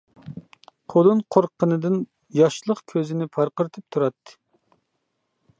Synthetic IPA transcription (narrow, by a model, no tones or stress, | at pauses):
qʰolˠɨnqʰoɾqʰːənɨd̪ɨn | jɑʃlˠəqkʲʰøzɪnɪpʰɑɾqəɾt̪ʰɨp̚t̪ʰuɾɑt̪ːɨ̥